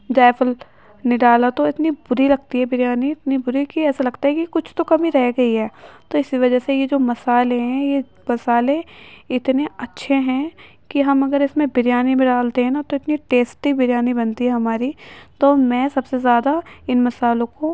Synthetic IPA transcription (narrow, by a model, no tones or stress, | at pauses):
d͡ʒaːfəl | nɪɖaːlat̪oɪt̪nibʊɾilɐɡt̪iɦɛbɪɾjaːniɪt̪nibʊɾikiɛːsalɐɡt̪aɦɛkikʊt͡ʃʰt̪okɐmĩɾɛɦɡɐiɦɛːt̪oɪsiʋɐd͡ʒəsejed͡ʒoːmɐsaːleɦɛ̃je | mɐsaːlẽɪt̪neɐtːʃʰeɦɛ̃ | kiɦɐmɐɡəɾɪsmẽbɪɾjaːnimɪ̃ɖaːlt̪eɦɛ̃nat̪oɪt̪niʈeːsʈibɪɾjaːnibɐ̃nt̪iɦɛɦɐmaːɾit̪oːmɛ̃ːsɐbsezjaːd̪aɪnmɐsaːlõko